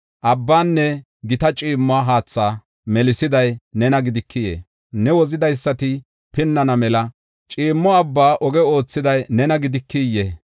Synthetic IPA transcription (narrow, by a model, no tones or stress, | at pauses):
ʔɐbːaːnːɛ | ɡɪt̪ɐt͡ʃʼiːmːʊaːɦaːt͡sːaː | mɛlɪsɪd̪ɐjnɛnɐɡɪd̪ɪkːɪjḛː | nɛwɔzɪd̪ɐjsːɐt̪ɪ | pɪnːɐnɐmɛlɐ | t͡ʃʼiːmːɔɐbːaːʔɔɡɛo̞ːt͡sːɪd̪ɐjnɛnɐɡɪd̪ɪkːijeː